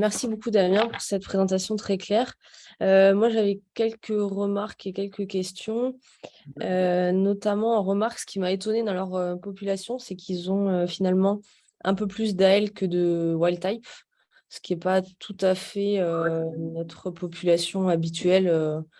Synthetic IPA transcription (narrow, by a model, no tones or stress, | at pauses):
mɛʁsibokud̪amjɛ̃puʁsɛt̪pχezɑ̃t̪asjɔ̃t̪χɛklɛːʁ | ømwaʒavɛkʲɛlkəʁəmaʁkekʲɛlkəkʲɛst̪jɔ̃ | ønɔt̪amɑ̃ːʁəmaʁksə̥kʲimaet̪ɔned̪ɑ̃lœʁøpɔpylasjɔ̃sɛkʰʲilzɔ̃øfinalmɑ̃ | ɛ̰̃pøplys̬d̪aɛlkəd̪əwajlt̪ajp | sə̥kʲiɛpat̪ʰut̪afɛønɔt̪χəpɔpʰylasjɔ̃abit̪ɥɛlø